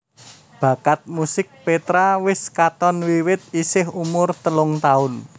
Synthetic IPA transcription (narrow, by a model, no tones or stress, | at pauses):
b̥a̤kat̪̚musɪk̚pet̪ɾawɪskat̪ɔnwiwɪt̪̚isɪɦumʊrt̪əlʊŋt̪aʊn